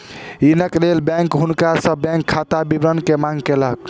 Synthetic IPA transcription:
inəklelbɛ̃ŋkɦunkasə̃bɛ̃ŋkʰːat̪abibɾənkemãŋɡkelək

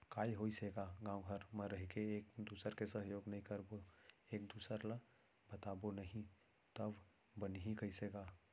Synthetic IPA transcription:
kaːiɦoːiseːɡaɡãːwɦəɾmə̃ɾəɦikeeːkd̪uːsəɾkesəɦjoːɡnɐɦĩkəɾboeːkd̪uːsəɾla | bət̪aːbonəɦĩ | t̪əb | bənɦĩkəiseːɡaː

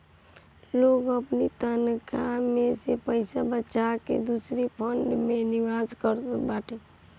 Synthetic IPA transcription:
loɡəpnit̪ənkʰamesepəɪsabəːʃakḛd̪usɾipʰəɳɖmeniʋad͡ʒkəɾt̪baʈe

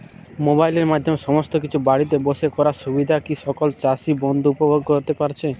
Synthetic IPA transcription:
mobajleɾmad̪ʱːɔmesɔmɔst̪okit͡ʃʰubaɽit̪̬ebosekɔɾasubid̪ʱakisɔkɔlt͡ʃasibɔnd̪uupɔbʱoɡkɔɾt̪epaɾt͡ɕʰe

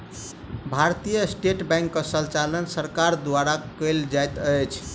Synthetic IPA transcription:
bʱaɾt̪ijəsʈeʈbɛ̃jŋkːəsəlt͡ʃalənsəɾkaɾd̪waɾakəjld͡ʒajt̪əjt͡ʃʰ

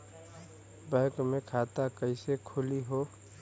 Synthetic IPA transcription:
bəɪkmekʰat̪akəɪsekʰʊliɦo

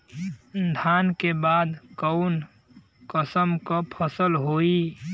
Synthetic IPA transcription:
d̪ʱaːnkebaːd̪kɔʊn | kəsəmkapʰəsəlɦoːi

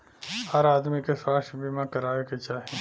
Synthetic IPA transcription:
aːɾaːd̪mikeswaːʃbimãkɐɾaːʋeket͡ʃaːɦiĩ

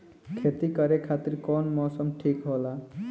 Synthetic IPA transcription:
kʰet̪ikʌɾekʰat̪iɾkɔnmɔsɔmʈʰikɦola

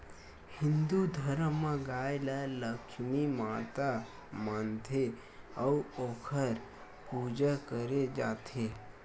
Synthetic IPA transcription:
hɪ̃nd̪ud̪ʱəɾəmːãɡaːjlaləkʰʃmimaːt̪a | maːnt̪ʰe | auokʰəɾ | puːd͡ʒakəɾed͡ʒaːt̪ʰe

